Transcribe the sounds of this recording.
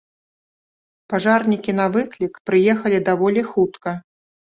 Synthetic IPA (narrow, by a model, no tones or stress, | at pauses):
paʐarnʲikʲin̪ɐvɨklʲikpɾɨjɛxɐlʲid̪avɔlʲixut̪kɐ